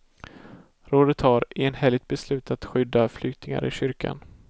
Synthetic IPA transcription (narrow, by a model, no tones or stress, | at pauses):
ɾoːd̪ət̪haɾeːnhɛlːɪɡ̚t̪̚bɛslʉ̟ːt̪ʰat̪ɧʏd̪ːaflʏkt̪ɪŋa̰ɾʔɪɕʏɾkʰa̰n